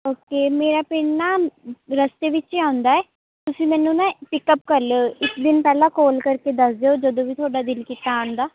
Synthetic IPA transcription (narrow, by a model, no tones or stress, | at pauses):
oːkeːmeːɾaːpeːɳnaːɾəst̪eːʋɪt͡ʃiãːʊ̃nd̪aːɛː | t̪ʊsĩːmɛːnũːnãːpɪkəp̚kəɾloɪkd̪ɪnpɛːlãːkoːlkəɾkeːd̪əsd̪eoːd͡ʒəd̪õːʋiːt̪ʰoːɖaːd̪ɪlkiːt̪aəɳd̪aː